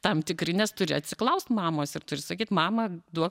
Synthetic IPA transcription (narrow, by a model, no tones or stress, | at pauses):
t̪ɐmt̪ʲɪkɾʲɪnʲɛst̪ʊɾʲɪɐt̪ʲsʲɪklˠɐʊst̪mɑːmoːsɪrt̪ʊɾʲɪsɐkʲiːt̪mɑːmɐd̪uɔk